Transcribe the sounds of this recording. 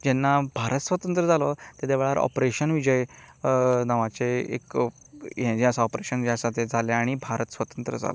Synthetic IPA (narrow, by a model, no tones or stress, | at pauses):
d͡ʑɛnːabʱaɾət̪sʋət̪ənt̪ɾəd͡zalɔt̪ed̪eʋɭaɾʔɔ̰pɾeɕənʋid͡ʑəj | naʋat͡ɕeḛk | jɛ̃d͡ʑeasaɔpɾeɕənʋid͡ʑasat̪ed͡zaleaɽ̃ibʱaɾət̪sʋət̪ənt̪ɾəd͡za̰lɔ